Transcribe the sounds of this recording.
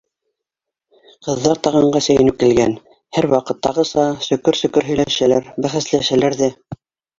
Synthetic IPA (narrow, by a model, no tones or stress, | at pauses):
qɤ̆ðːɑɾt̪ɑʁɑɴɢɑsɘ̆jɘ̆nɘp̚kilɡæn | hæɾwɑqɤt̪ːɑʁɤ̆sɑsɵ̆kɵɾsɵ̆kɵɾɦɵ̆jlæʃælæɾbæχæslæʃælæɾðæ